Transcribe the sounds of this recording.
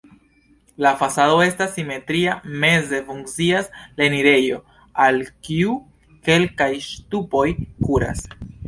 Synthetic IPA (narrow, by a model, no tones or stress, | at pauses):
lafasado̞e̞stasːime̞tɾiame̞ze̞fuŋkt͡siasle̞niɾe̞jo̞ | alkiu | ke̞lkajʃtupo̞jkuɾa̰s